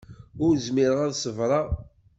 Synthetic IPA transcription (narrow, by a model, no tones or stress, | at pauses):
ʊɾzmɪɾəʁaðsəvɾˤɑ